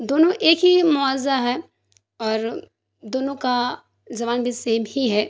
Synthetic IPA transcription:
d̪oːnõʔeːkɦimʊazaɦɛ | ɔːɾ | d̪oːnõka | d͡ʒɐʋaːnbʱiseːmhiɦɛː

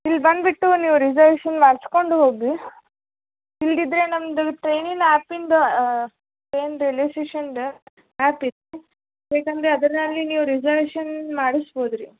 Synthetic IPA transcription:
ilːbɐnd̪biʈːuniːʋuɾid͡ʒɐɾʋeːʃɐnʋaɾsko̞ɳɖuɦoːɡi | ilːid̪ɾe̞nɐmd̪uʈɾejniŋaːpinɖ̪ | ʈɾeːnɾeleːseːʃɐnɖ | aːpid̪e | ɦeːkɐnd̪ɾeɐd̪ɐɾnɐlːiniːʋuɾid͡ʒɐɾʋeːʂɐnmaːɽisboːd̪ɾi

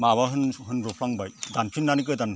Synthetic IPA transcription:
maβaɦɯnɦɯnɾɔpʰlaŋbajdankʰinːanik̬ɯdan

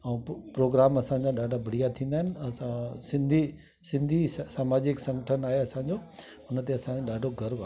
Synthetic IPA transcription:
ɛ̃ːpɾoːɡɾaːmɐsãɲd͡ʑaɗaːɖʱabʱɐɽ̤ijat̪ʰĩːnd̪aːɦɪnɪ̆ɐsãsɪ̃nd̪ʱi | sɪ̃nd̪ʱisaːmaːd͡ʑɪksɐ̃ŋɡəʈʰənaːɦeɐsãːɲd͡ʑoː | ʊnə̆t̪eɐsãɗaːɖʱoɡʱɐɾba

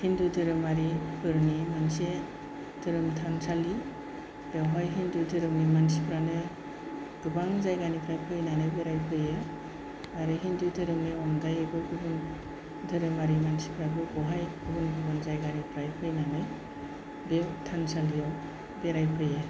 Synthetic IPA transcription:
hindudɯɾɯmaɾipʰɯɾnimanse | dɯɾɯmtʰansali | b̥ewɦajɦindudʰɯɾɯmnimansipʰɾanɯ | ɡ̥ɯbaŋzajɡanipʰɾajpʰɯjnanɯbeɾajpʰɯjɯ | aɾɯɦindudʰɯɾɯmnɯɔŋdajeɡɯɡɯbɯn | dɯɾɯmaɾimansi̥pʰɾabɯɡɔɦajɡ̥ɯbɯnɡɯbaŋzajɡanipʰɾajpʰɯjnanɯj | bewtʰansalijɔ | beɾajpʰɯje

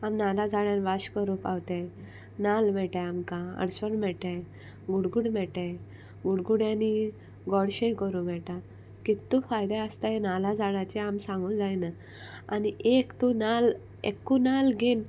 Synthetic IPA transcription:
amnalad͡zaɽjãnʋaɕkəɾupawt̪e | nalmɛʈaamkaə̰ɽsɔnmɛɭʈẽ | ɡuɽɡuɽmɛʈẽ | ɡuɽɡuɽjãni | ɡɔɽɕẽjkəɾũm̤ɛʈa | kit̪ːufajd̪aəst̪aenalad͡zaɽat͡ɕiamsãŋɡũd͡zajna | aniʔekt̪unal | ekːunalɡen

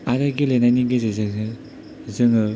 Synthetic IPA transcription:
aɾaɡilenajniɡɯzɯzɯɯ | zɯŋɯ

